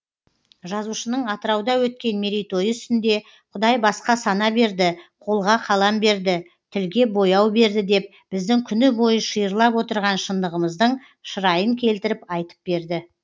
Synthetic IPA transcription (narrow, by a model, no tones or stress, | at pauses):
ʒɑzuʃənəɴɑt̪əɾɑwd̪ɑwɵt̪̚kʲe̞nmeɾijt̪o̞jəʏ̥st̪ɪnd̪e̞ | qʰʊd̪ɑjbɑsqɑsɑnɑbe̞ɾd̪ɪqʰo̞lˠʁɑqʰɑlˠɑmbe̞ɾd̪ɪ | t̪ʰɪlɡʲe̞bo̞jɑwbe̞ɾd̪ɪd̪e̞p̚ | b̥ɪzd̪ɪŋkʲʰʏnɪbo̞jəʃəjəɾlˠɑpwo̞t̪əɾʁɑnʃənd̪əʁəməzd̪əɴ | ʃəɾɑjəŋkʲʰe̞lt̪ɪɾɪpɑjt̪ə̥p̚be̞ɾd̪ɪ